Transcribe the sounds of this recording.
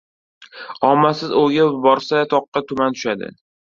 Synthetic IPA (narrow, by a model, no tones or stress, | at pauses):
ɒmːasɪzoɡʲabɒɾsat̪ʰɒqːɑt̪ʰʊmant̪ʰʊ̥ʃad̪ɪ̰